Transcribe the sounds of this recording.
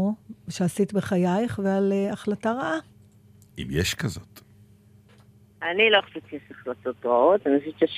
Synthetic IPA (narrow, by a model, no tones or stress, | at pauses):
ʃeasitbeχajajχvealeaχlataʁaʔa | ḭmjeʃkazot̪ | aniloeχaʃit͡ʃijeʃaχlat̪ot̪ʁaot̪aniasit͡ʃaʃ